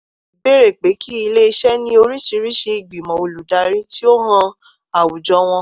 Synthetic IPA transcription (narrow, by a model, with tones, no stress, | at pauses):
be˦ɾe˨k͡pe˨˦ki˦i˧le˦i˧ʃɛ˦nĩ˦o˧ɾi˦ʃi˧ɾi˦ʃe˧i˨ɡ͡bi˨mɔ̃˨o˨lu˨da˨˦ɾe˦ti˦o˦ɦã˧ | a˨wu˨d͡ʒɔ˧˦w̃ɔ̃˧